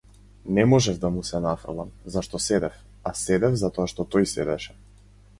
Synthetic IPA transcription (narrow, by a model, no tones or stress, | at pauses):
nɛmɔʒɛvd̪amusɛnafa̰lˠamzaʃt̪ɔsɛd̪ɛf | asɛd̪ɛvzat̪ɔaʃt̪ɔt̪ɔjsɛ̰d̪ɛ̰ʃɛ̥